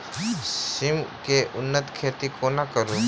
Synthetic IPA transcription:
sɪmkeʔʊnːət̪kʰeːt̪ikʰonɐkəɾũ

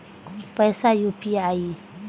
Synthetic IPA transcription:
upasajupiai

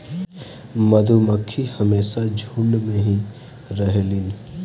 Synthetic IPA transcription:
mɐd̪ʱuməkʰːihɐmeːʃad͡ʒʱulmẽɦi | ɾɐɦelin

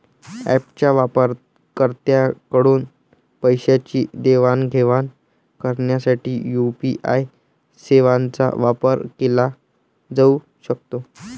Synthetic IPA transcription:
æ̰pt͡ɕjaʋapəɾ | kəɾt̪jakəɽuːn | pəjɕat͡ɕiːd̪eʋanɡʱeʋan | kəɾɳjasaʈiːjupiʔaj | seʋant͡sa̰ʋapəɾkela | d͡zau | ɕək̚t̪o

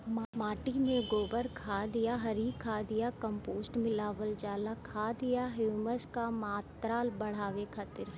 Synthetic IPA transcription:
mmaːʈimẽɡoːbəɾkʰaːd̪ɪjaɦɐɾikʰaːd̪ɪjakə̃mpoːsʈmɪlaːʋəld͡ʒaːlakʰaːd̪ɪjaɦuməskamaːt̪ɾaːlbɐɽ̤aːʋekʰɐt̪ɪɾ

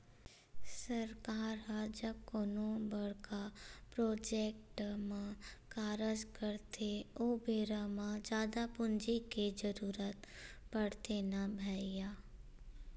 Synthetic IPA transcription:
səɾkaːɾɦad͡ʒəb̚koːnõbəɽkapɾoːd͡ʒeːkʈmãkaːɾəd͡ʒkəɾt̪ʰeoːbʱeːɾamãd͡ʒaːd̪apʊnd͡ʒikid͡ʒəɾuːɾət̪pəɽt̪enabʱɛːijaː

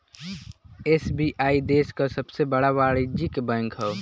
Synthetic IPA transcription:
eːsbiʔaːid̪eːskasəbsebəɽaʋaːɽid͡ʒikbɛ̃ŋkʰɦɛ

